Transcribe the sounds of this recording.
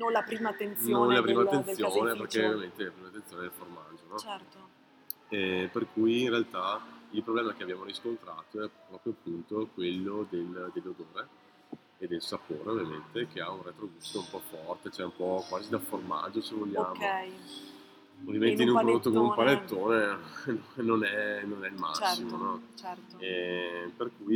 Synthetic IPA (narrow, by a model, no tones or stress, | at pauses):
nlapɾiːmat̪ːensnõnlapɾiːmat̪ːent̪ːjoːneperkɛovvjament̪elapɾiːmat̪ːensjonealforma̰d͡ʒːonɔɛt̪o | ɛperkuːjinrealt̪ailpɾoblɛːmak̟eabjaːmoɾiskont̪ɾa̰ːt̪oɛɾɔːpɾjoapːunt̪okwelːod̪eld̪elːod̪oːɾeː | d̪elsapoːɾeovjamḛnt̪ek̟eaunret̪ɾoɡust̪oumpɔfɔrt̪et͡ʃɛumpɔkwaːzid̪aforma̰d͡ʒosevoʎːaːmo | ovjament̪einũmpɾod̪ot̪ːokonumpalet̪ːoːnennonɛnonɛilma̰sːimonɔt͡ʃɛperkuj